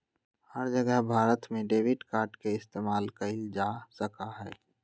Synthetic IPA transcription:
həɾd͡ʒəɡəɦbʱaːɾət̪mẽɖeːʋɪɖkaːɾɖkeɪst̪eːmaːlkɐɪld͡ʒaːsəkaɦɛ̰ː

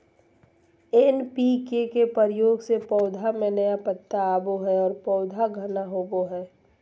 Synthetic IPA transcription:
enpikekepəɾɪjoːɡsepɔːd̪ʱamẽnəjapət̪ːaːboɦɛɔːɾpɔːd̪ʱaɡʱənaɦoːboɦɛː

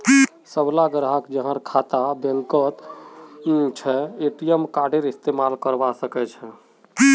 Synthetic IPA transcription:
səblaɡəɾɦakd͡ʒəɦə̃ɾkʰat̪abeŋkət̪ | t͡ʃʰɛeʈijəmkaɖeɾist̪emalkəɾbasəkɛt͡ʃʰɛ

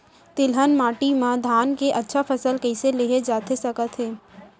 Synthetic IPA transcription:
t̪ɪlɦənmaːʈimãd̪ʱaːnkeʔɐtːʃʰafʰɐsəlkɛɪseleːɦed͡ʒaːt̪esɐkət̪ɦɛː

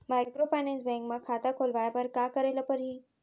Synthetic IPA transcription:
majkɾofajnẽnsbɛ̃ŋkmãkʰat̪akʰolʋajapəɾkakəɾeləpəɾɦiː

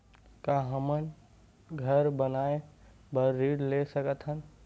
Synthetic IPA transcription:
kaɦəmən | ɡʱəɾbənae | bəɾːiɽlesəkət̪ɦən

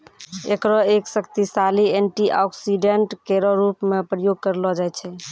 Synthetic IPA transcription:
ekɾɔeksəkt̪isalienʈiʔɔksiɖeɳʈkeɾɔɾupmepɾəjoɡ̚kəɾlɔd͡ʒajt͡ʃʰɛ

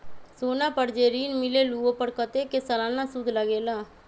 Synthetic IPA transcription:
soːnãːpəɽd͡ʒeːɾiːnmɪleːluːoːpəɾkət̪eːkeːsəlãːnãːsʊd̪ʱləɡeːlaː

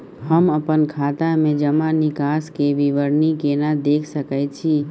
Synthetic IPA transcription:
ɦəməpənkʰaːt̪amẽd͡ʒəmãnɪkaːskeʋiʋəɾnikenad̪eːkʰsəkəjt͡ʃʰi

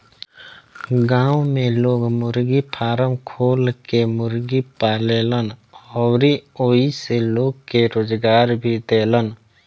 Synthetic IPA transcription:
ɡãːwmẽloːɡmʊɾɡipʰaːɾəmkʰoːlkemʊɾɡipaːleːlənɔɾioːiseloːɡ̚keɾoːd͡ʒɡaːɾbʱid̪eːlən

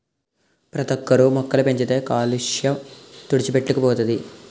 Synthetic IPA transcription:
pɾɐt̪ɐkːɐɾumɔkːɐlupe̞ɲt͡ʃit̪e̞ːkaːliʂjɐmt̪uɽit͡ʃipe̞ʈːukɐpɔːt̪ɐd̪i

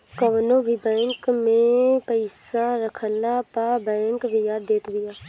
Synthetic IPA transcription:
kəʋnõːbʱiːbɛ̃ːŋkmẽpəɪsãːɾəkʰənːaːpabɛ̃ːŋkbʱɪjaːd̪eːt̪bɪjaː

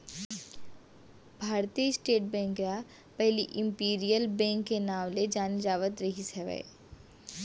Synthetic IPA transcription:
bʱaːɾt̪isʈeːʈ̚bɛ̃ːŋkja | pɛɦliʔɪ̃mpiːɾijəlbɛ̃ːŋkːenaːʋled͡ʒaːnid͡ʒaːʋət̪ɾɐɦisɐʋɛ̰

